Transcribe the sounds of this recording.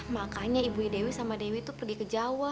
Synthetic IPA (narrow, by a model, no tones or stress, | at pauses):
makaɲaibuidewisamadewit̪upərɡikəd͡ʒawa